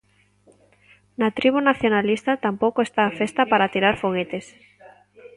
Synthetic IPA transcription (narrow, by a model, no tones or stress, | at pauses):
nat̪ɾiβunaθjonalist̪at̪ampowkoest̪aːfest̪apaɾat̪iɾaɾfoɣet̪es